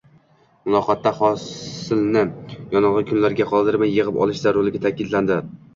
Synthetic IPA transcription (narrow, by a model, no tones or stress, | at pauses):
mʊlˠɒqʰɒt̪ʰːaχɒsɪlnɪjɒnɒʁɨkʰʊnlaɾɡʲaqʰɒlˠd̪ɪɾmajːɨʁɨpɒ̰lˠɪʃzaɾolˠɪɡʲat̪ʰakʲɪd̪land̪ɪ